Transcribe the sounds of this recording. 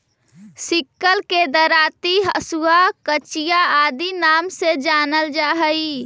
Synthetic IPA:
sɪkːəlked̪əɾaːt̪iɦəsuwakət͡ʃijaaːd̪inaːmsed͡ʒaːnəld͡ʒaːɦəi

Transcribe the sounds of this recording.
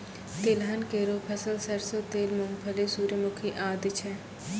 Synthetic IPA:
t̪eːlɦɐnkeːɾoːpʰɐsəlsɐɾsot̪eːlmʊŋɡpʰɐlesuːɾemʊkʰiʔaːd̪ɪt͡ʃʰɛː

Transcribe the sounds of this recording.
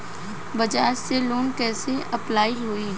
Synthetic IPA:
bɐd͡ʒaːɾseloːnkɛːseʔɐplaːiɦoi

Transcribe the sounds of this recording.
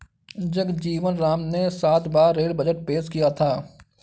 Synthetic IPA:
d͡ʒəkd͡ʒiːʋənɾaːmnesaːt̪ʰbaːeːlbəd͡ʒəʈ̚peːd͡ʒkijat̪ʰaː

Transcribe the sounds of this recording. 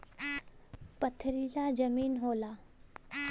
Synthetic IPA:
pət̪ʰːɾilad͡ʑəmiːnɦola

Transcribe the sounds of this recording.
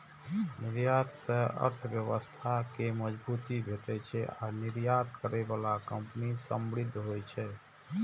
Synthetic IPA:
nɪɾjat̪sə̃ə̰ɾt̪ʰəʋjəʋəst̪ʰakeməd͡ʒbuːt̪ibʱeʈɛt͡ʃʰɛa̰niɾjat̪̚kəɾebalakə̃mpnisəmɽɪd̪ʱɦojt͡ʃʰɛː

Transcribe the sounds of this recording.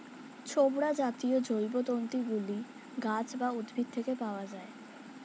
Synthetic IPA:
t͡ɕʰobɽad͡ʑat̪iod͡ʑojbot̪ont̪ɾiɡuli | ɡad͡ʑbaud̪bʱit̪̚t̪ʰekepaoad͡ʑae

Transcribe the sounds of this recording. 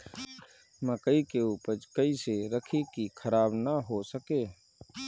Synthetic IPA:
məkəikeupəd͡ʒkəiseɾəkʰikikʰəɾaːbnəɦosəkeː

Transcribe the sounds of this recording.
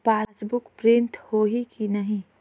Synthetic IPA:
paːsbʊkpɾɪ̃ɳʈhoːɦikinɐɦĩ

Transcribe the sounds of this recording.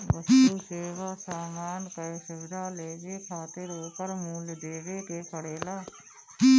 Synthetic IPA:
bəst̪ːuːseːʋasaːmaːnkəesɪʋɪd̪ʱaːleːd͡ʒekʰaːt̪eɾoːpəɾmuːld̪eːɾekeːsʰəɽeːlaː

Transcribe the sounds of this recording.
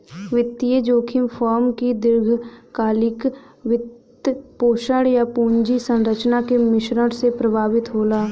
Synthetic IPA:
ʋɪt̪ːied͡ʒoːkʰɪmfʰɔːɾmkid̪ɪɾɡʱkaːlɪk | ʋɪt̪ | poːʃəɽjapuːɲd͡ʒisə̃nɾət͡ʃnakemɪʃɾəɽsepɾəbʱaːʋɪt̪ɦoːlaː

